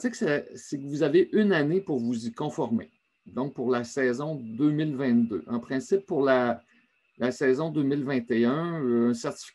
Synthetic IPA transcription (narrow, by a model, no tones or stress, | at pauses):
seksɛsekəvuzaveʔynanepuʁvuzikɔ̃fɔʁme | d̪ɔ̃k̚puʁlasɛːzɔ̃d̪øːmɪlvɛ̃t̪̚d̪ø̰ʔɑ̃pχɛ̃sɪpːuʁla | lasɛːzɔ̃d̪øːmɪlvɛ̃t̪eœ̃ɛ̃sɛʁt̪i̥f